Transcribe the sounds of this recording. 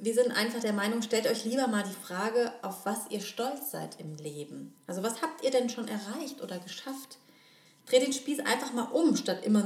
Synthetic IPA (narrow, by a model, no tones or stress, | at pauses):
viːɐzɪntʔa̰ɪnfaχd̥eːɐmaɪnʊŋʃtɛltʔɔʏçliːbɐmaːldiːfʁ̥aːɡəʔaʊfv̥asʔḭːɐʃtɔlt͡sz̥a̰ɪtʰɪmleːbm̩ʔalzovashaːp̚tʔiːɐdɛnʃoːnʔɛɐʁaɪçtʔo̰ːdɐɡəʃaft | d̥ʁ̥eːtdeːnʃpiːsʔa̰ɪnfaχmaːlʔʊmʃtatʔɪ̰mɐ